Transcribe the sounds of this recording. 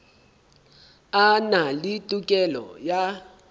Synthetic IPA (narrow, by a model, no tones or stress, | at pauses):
analitʼukʼɛlɔ̰ja